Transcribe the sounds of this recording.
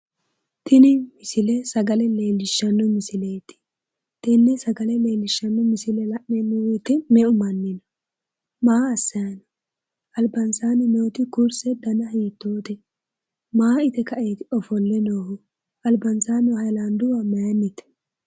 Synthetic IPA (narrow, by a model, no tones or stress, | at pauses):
t̪ʰɪnɪmɪsɪlɛsɐɡɐlɛle̞ːlːɪʃːɐnːɔmɪsɪlejt̪ɪ̥ | t̪ɛnːɛsɐɡɐlɛle̞ːlːɪʃːɐnːɔmɪsɪlɛlɐʔːɛnːɛwɛt̪ɪmɛʊmɐnːɪnɔ | maːsːɐjɐnɐ | ɐlbɐnsaːnɛmɛʊt̪ɪkʊɾsɛd̪ɐnɐɦiːt̪ːoːt̪ɛ | maːɪt̪ɛkɐʔeːt̪ɪɔfɔlːɛnoːhʊ | ɐlbɐnsaːnɔhɐjland̪ʊwɐmɐjɐnːɪt̪ɛ̥